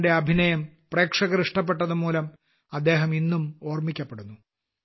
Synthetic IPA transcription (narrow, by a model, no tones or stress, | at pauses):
de̞ɐbʱinɐjɐmpre̞ːkʂɐɣɐɾiʂʈɐp̬ːe̞ʈːɐðumuːlɐm | ɐd̪ːe̞ːɦɐminːumo̞ːrmikʲːɐpːeɽunːu